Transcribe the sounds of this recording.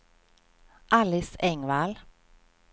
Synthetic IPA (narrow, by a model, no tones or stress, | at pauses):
ʔɑlɪsɛŋʋɑːl